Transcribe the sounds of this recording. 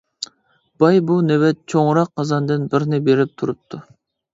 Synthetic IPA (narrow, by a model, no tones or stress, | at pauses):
b̥ɑjbunewɛt̪̚t͡ʃʰoŋɾɑqʰːɑzɑnd̪ɪnbɪɾnɪbeɾɪp̚t̪ʰuɾup̚t̪ʰu